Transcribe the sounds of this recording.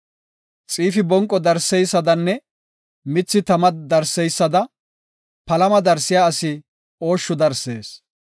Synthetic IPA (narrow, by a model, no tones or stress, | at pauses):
t͡sʼiːfɪbɔŋkʼːɔd̪ɐɾsɛjsːɐd̪ɐnːɛ | mɪt͡sːɪt̪ɐmɐd̪ɐɾsɛjsːɐd̪ɐ | pɐlɐmɐd̪ɐɾsɪjaːɐsɪ | o̞ːʃːʊd̪ɐɾse̞̰ːs